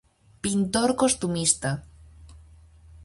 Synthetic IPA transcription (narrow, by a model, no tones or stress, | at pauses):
pint̪oɾkost̪umist̪a